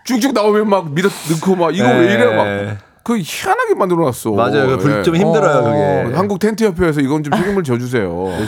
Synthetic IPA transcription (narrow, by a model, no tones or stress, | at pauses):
t͡ɕuk̚t͡ɕ͈ʰuk̚naomjʌnmak̚miɾʌnɯkʰomaiɡʌweiɾemak | kɯçiŋanɦaɡemandɯɾʌnas͈ʌmad͡ʑajokɯpuɭt͡ɕʌmçimdɯɾʌjokʌɡehanɡuk̚tʰe̞ntʰɯjʌpʰjoes̬ʰʌiɡʌnt͡ɕomʰeɡimɯɭt͡ɕʌd͡ʑus̬ʰe̞jo